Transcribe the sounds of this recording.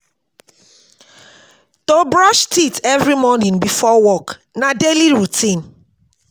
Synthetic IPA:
tobɹɔʃtitɛvɹimɔnĩŋbifɔwɔk | nadeliɹutʰĩn

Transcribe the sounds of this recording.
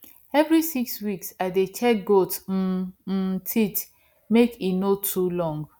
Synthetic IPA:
ɛvɹisikswiksaɪdet͡ʃɛk̚ɡot̩ | tʰit͡ʃ | mekinotʰulɔ̃ŋɡ

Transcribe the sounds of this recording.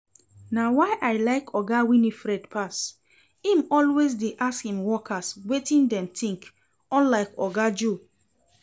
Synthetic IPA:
nawaɪʔaɪlaɪkʰɔɡawinifɹɛdpʰas | ĩmɔlwes̬deʔaskhĩmwɔkʰaswetĩndɛ̃mtʰĩŋk | ɔ̃nlaɪkɔɡad͡ʒu

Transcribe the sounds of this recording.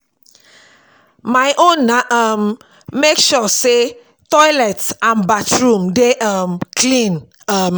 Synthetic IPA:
majʔõnːaʔʌmː | ekʃɔse | tɔjlɛtsãnbatɹũmdeʔʌmkʰlĩn | ʌm

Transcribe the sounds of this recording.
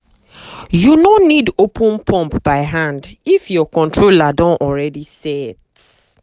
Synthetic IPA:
junonidopʰũnpʰɔ̃mpbaɪɦãndifjɔkɔ̃ntɹoladɔ̃nʔɔɹɛdisɛt

